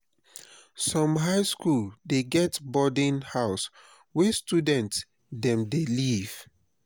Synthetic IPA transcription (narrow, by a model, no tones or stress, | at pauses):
sɔ̃mɦaɪskuldeɡɛtbɔdĩnhaʊs | wɛstudɛ̃nts | dɛ̃mdeliv̥